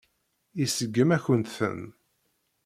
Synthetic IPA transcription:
isəɡːəmæçənt̪θə̰n

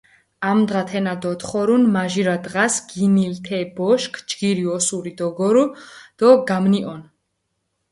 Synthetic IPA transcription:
amd̪ʁat̪ʰɛnad̪ɔt̪χɔɾunmaʒiɾad̪ʁasɡ̥inilt̪ʰɛbɔʃkʰd͡ʒɡiɾiɔsuɾid̪ɔɡɔɾud̪̥ɔɡamniʔɔn

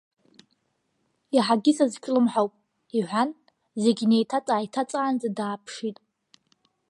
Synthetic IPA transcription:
iħaɡʲɪsazt͡ʃʰʷʼlɨmħawpʼ | iʕʷan | ze̞ɡʲnejtʰat͡sʼaːjitʰat͡sʼaːnd͡zadaːpʰʂitʼ

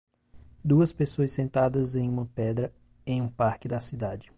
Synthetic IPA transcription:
d̪uɐspesoɐssẽnt̪ad̪ɐzẽj̃ũmɐpɛd̪ɾɐ | ẽj̃ũpaɾkɪd̪ɐsid̪ad͡ʒɪ

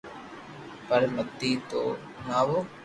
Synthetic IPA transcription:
pəɾmət̪ːiːt̪o̰ː | naːʋoː

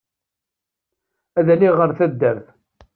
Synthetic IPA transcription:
æðæliʁəɾθæd̪ːəɾθ

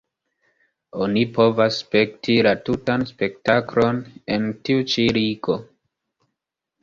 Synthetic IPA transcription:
o̞nipo̞vaspe̞ktʰilatutanspe̞k̚taklo̞ne̞ntiut͡ʃiɾiɡo̞

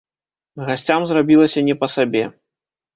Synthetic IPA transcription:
ɣasʲt͡sʲamzrabʲilˠɐsʲɐnʲɛpɐsabʲɛ

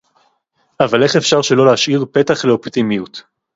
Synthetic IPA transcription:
avale̞χefʃaʁʃe̞lo̞leaʃʔiʁpe̞taχleopt̪imijut̪

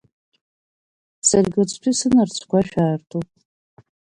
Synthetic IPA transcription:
sarɡʲot͡sʷʰtʷʰisɨnart͡ɕʷʰkʷʰaʃᶣaːrtʰopʼ

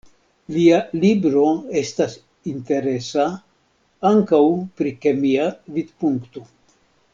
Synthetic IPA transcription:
lialibɾo̞e̞stas | inte̞ɾe̞sa | aŋkawpɾikemiavid̪puŋkto

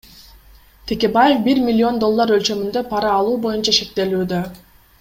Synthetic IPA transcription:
t̪ʰe̞kʲe̞baje̞fbiɾmʲɪlʲːio̞nd̪o̞lˠːaɾø̞lt͡ʃø̞mynd̪ø̞pʰɑɾɑːlˠuːbo̞junt͡ʃɑʃe̞k̚t̪e̞lyːd̪ø̞

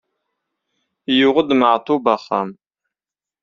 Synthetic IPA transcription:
jɪʁʷʊdmaʕtʰubɐχɐ̰m

